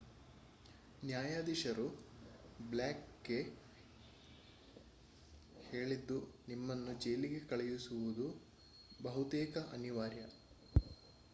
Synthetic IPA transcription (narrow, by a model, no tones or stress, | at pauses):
njaːjaːd̪iʃɐɾu | blaːkːe | he̞ːɭid̪ːunimːɐnːud͡ʒejliɡe̞kɐɭɛjusuʋud̪u | bɐɦut̪eːkɐʔɐniʋaːɾjɐ